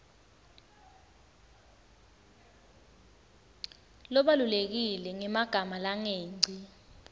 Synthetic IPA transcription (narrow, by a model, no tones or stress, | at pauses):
lɔɓalulek̬ilɛŋɛmaɡ̥ʱamalaŋeːŋ͡ǀʱi